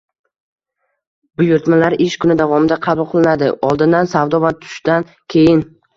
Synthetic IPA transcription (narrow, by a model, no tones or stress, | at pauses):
bʊjʊɾt̪malaɾɪʃkʰʊnɪd̪avɒmɪd̪aqʰɑbʊlˠqʰɨlˠɪnad̪ɪ̰ʔɒlˠd̪ɪnd̪ansavd̪ɒvat̪ʰʊ̥ʃt̪an | kʲʰe̞jɪn